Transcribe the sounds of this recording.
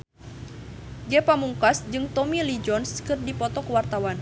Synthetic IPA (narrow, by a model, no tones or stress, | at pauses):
d͡ʒɛpamuŋkasd͡ʒɨŋt̪ɔmilid͡ʒɔnskɨrdipɔt̪ɔkəwart̪awan